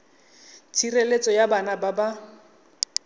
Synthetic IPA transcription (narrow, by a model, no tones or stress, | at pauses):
t͡sʰirelet͡sʼɔjabanababa